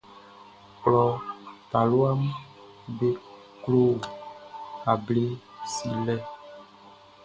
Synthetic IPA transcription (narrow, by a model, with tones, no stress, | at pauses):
klɔ˨ta˨lo˦a˦m | be˦ | klo˦˨ | a˨ble˦si˨lɛ˦